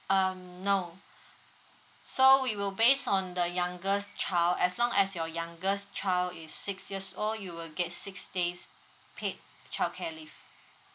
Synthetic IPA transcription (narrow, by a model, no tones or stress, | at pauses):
ʌmno | sowiwilbesɔ̃ndəjãŋɡəst͡ʃʰaɪlɛslɔ̃ŋɛsjɔjãŋɡəst͡ʃaɪldisːɪksjiəsoljuwilɡɛt̚sɪksdes | pʰet̚ | t͡ʃʰaɪlkʰɛlif